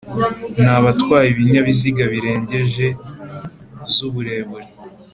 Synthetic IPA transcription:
naβatkwaːjiβiɲaβiziɡaβiɾe̞ːɲɟe̞ʒe̞ | zuβuɾe̞ːβuɾi

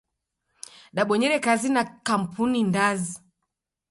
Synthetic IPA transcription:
ɗaɓɔɲɛɾɛkazinakam̩pʰunindazi

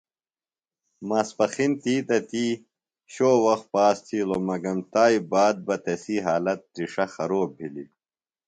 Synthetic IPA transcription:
maːspɐxint̪iːt̪ɐt̪iː | ɕoːwɐx̚paːst̪ʰiːlomɐɡɐmt̪aːibaːd̪̚bɐt̪esiːɦaːlɐt̪̚ːɾiʂɐxɐɾoːbʱilḭ

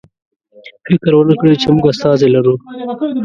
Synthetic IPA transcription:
fɪkɾwənəkɽet͡ʃemuɡast̪ɑːzelaɾu

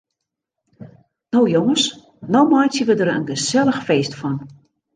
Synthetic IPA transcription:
nowjoŋəs | nowmɔjsəʋədərə̰nɡəsɛləxfeːstfɔn

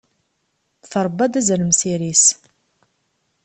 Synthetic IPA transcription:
θəɾˤbːad̪æzəɾəmsiɾis

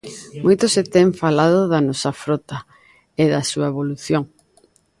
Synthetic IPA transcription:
mojt̪oset̪eɱfalað̞oðanɔsɐfɾɔt̪ɐ | eðɐsuɐeβ̞oluθjoŋ

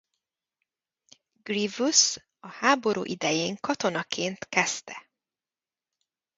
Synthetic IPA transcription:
ɡrivus | ɒhaːbo̞ɾṵːʔid̪ɛjeːŋkɒt̪o̞nɒkʰeːnt̪kɛst̪ɛ

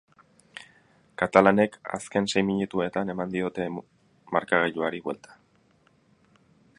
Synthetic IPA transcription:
kat̪alane̞ka̰ske̞nse̞jmiɲut̪ue̞t̪ane̞mand̪io̞t̪e̞ | maɾkaɣeʎuaɾiβwe̞lt̪ḁ

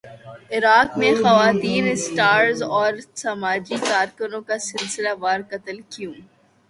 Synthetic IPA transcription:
ɪɾaːkmẽxɐʋaːt̪iːnɪsʈaːɾzɔːɾsɐmaːd͡ʒikaːɾkənõkasɪlsɪlaʋaːɾkɐt̪əlkijũː

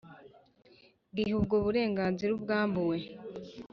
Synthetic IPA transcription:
ɡiɦubɡoβuɾe̞ːŋɡaːnziɾubɡaːmbuwe̞

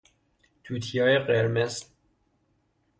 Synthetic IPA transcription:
t̪ʰuːt̪ʰijɒːjeɢeɾmez

